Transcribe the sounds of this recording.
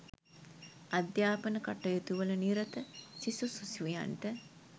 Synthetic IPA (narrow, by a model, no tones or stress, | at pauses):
ad̪jaːpənəkaʈːəjot̪uʋələniɾət̪əsisususiʋuja̰nʈə